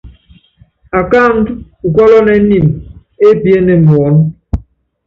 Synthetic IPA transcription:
a˨ka˦˨ŋ˦ŋ̩˨kʷɔ˦lɔ˦ne˨n̩˦ni˨m | e˦pje˦ne˨m̩˨m˨ɔ˨˦n˦

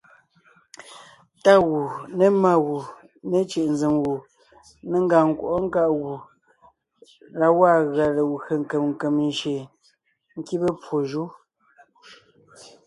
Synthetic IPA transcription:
ta˦ɣu˨ne˨˦ma˦ɣu˨ | ne˨t͡ʃe˨ʔn̩ze˨mwu˨ | ne˦ŋ̩˦ɡa˨ŋ̩˨kwo˨ʔɔ˦ŋ̩˦ka˦ʔɣu˨ | la˦wa˦˨ɣa˨le˨wə˨ŋ̩˨ke˨mŋ̩˨kə˨mn˨ʃe˨ | ŋ̩˦ki˦bə˦pwo˨ʒu˦

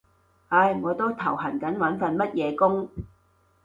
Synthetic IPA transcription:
ɐ˧jŋɔː˨˧t̪o˥wt̪ʰɐ˨˩whɐ˨˩nkɐ˨˥nwɐ˨˥nfɐ˧nmɐ˥t̚jɛː˨˧kʊ˥ŋ

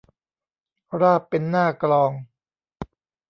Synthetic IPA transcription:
ɾaː˥˩pːe˧nːaː˥˩klɔː˧ŋ

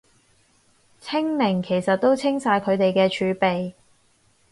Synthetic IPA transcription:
t͡sʰɪ˥ŋnɪ˨˩ŋkʰe˨˩jsɐ˨t̚t̪o˥wt͡sʰɪ˥ŋsaː˧jkʰɵ˨˧ɥt̪e˨jkɛː˧t͡ʃʰyː˨˧pe˨j

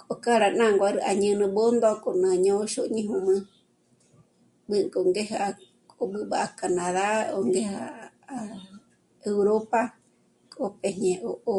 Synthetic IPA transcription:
kʼo˨ka˦ɾa˧˨nã˦ŋɡʷaɾɨ˧ʔa˨ɲɨ̃˧nɨ̃˧bo˦nd̪o˧kʼo˨nã˧ɲõ˦ʃo˦ʔɲĩ˧ɦũ˧mɨ̃˦ | bɨ˦kʼo˨ŋɡe˦ɦaa | o˧ɓɨ˧ɓa˨a˧kanãða˦o˧ŋɡe˦haː | ewɾopa | kʼo˧peɲẽ˧ʔoʔo

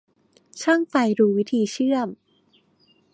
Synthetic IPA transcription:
t͡ɕʰa˥˩ŋfa˧jɾuː˧wi˦˥t̪ʰiː˧t͡ɕʰɯ˥˩əm

